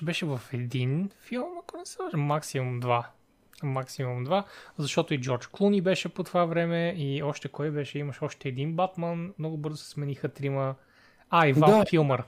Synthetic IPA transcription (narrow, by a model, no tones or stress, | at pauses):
bɛʃɛvɐfɛd̪infilˠmɐkonɛsɛd̪aʒmːaksimumd̪va | maksimumd̪vazɐʃt̪ɔt̪ʊid͡ʒɔɾt͡ʃklˠunibɛʃɛpot̪ovavɾɛmɛiɔʃt̪ɛkɔjbɛʃɛimɐʃɔʃt̪ɛːd̪inbat̪manmnɔɡʊbɤɾzʊsɛ̥smɛnixət̪ɾimə | aivafilˠməɾ